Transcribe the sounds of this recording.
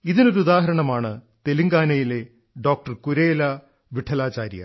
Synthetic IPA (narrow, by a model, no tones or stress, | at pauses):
iðino̞ɾuud̪aːɦɐɾɐɳɐmaːɳɨt̪eliŋɡaːnɐjile̞ | ɖo̞ːk̚ʈɐrkuɾeːlɐ | ʋiʈʰɐlaːt͡ɕaːɾjɐ̰